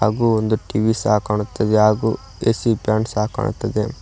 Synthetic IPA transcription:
aːɡuːond̪uʈiʋisaːkaːɳut̪ːɐd̪eɦaːɡuː | esipjaːɳsaːka̰ːɳṵt̪ːɐd̪e

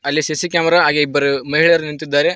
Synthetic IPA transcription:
ɐlːisesikʲjaːmɐɾaːɦaːɡeibːɐɾumɐɦiɭɐɾunint̪id̪ːaːɾe̞

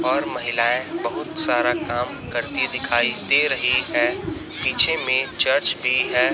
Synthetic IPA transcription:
ɔːɾmɐɦɪlaːẽbɐɦʊt̪saːɾakaːm | kɐɾt̪id̪ɪkʰaːid̪eɾɐɦiɦɛː | piːt͡ʃʰemẽt͡ʃɐɾt͡ʃbʱiɦɛː

